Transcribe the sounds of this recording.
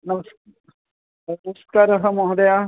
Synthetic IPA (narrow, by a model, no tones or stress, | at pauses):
nɐməs | nɐmskaːɾɐɦəmɔɦd̪ɐja